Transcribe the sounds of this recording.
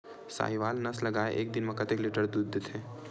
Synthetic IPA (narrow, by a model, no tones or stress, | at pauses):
sa̰ːɦiʋaːlnɐslɐɡaːḛʔeːk̚d̪ɪnmẽkɐt̪eklɪʈəɾd̪uːd̪ːet̪ʰẽː